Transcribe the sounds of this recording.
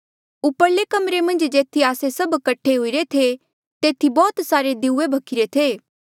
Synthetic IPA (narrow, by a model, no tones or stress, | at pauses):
ʊpəɾlekɐmɾemɐ̃nd͡ʒd͡ʒeːt̪ʰiaːsesɐbkɐʈʰːeɦoːiɾet̪ʰe | t̪eːt̪ʰibɔːt̪saːɾed̪euebʱɐkʰɪɾet̪ʰeː